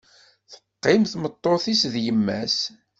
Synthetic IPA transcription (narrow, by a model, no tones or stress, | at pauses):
θə̥qːɪmθmət̪ˤːoθisðjəmːæs